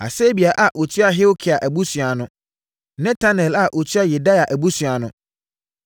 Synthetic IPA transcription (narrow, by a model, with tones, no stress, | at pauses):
a̰˨se˦bi˨a˨ʔa˨ʔo˨tʰɥa˦ɦɪ˦wkʰɪ˨a˨ʔæ˨bu˦sɥa˨nʊ̃˦ | nɛ̃˦tʰa˦nɛ˨la˨ʔo˨tʰɥa˦jɛ˨da˦ja˨ʔæ˨bu˦su˨a˨nʊ̃˨